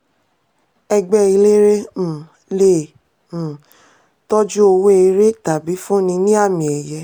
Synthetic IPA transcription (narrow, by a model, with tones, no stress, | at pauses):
ɛ˧ɡ͡bɛ˦i˧le˦ɾẽ˦˨ | lẽ˦˨ | tɔ˦d͡ʒu˦o˧we˦e˧ɾe˦ta˨bi˨˦fũ˦nĩ˧nĩ˦a˦˨mĩ˨ɛ˨jɛ˨˦